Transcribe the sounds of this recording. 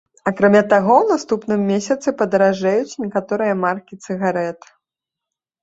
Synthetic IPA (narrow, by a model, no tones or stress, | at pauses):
ɐkɾamʲat̪aɣɔwnast̪upnɨmːʲesʲɐt̪sɨpɐd̪ɐɾaʐajut͡sʲnʲɛkat̪ɔɾɨjɐmarkʲit̪sɨɣaɾɛt̪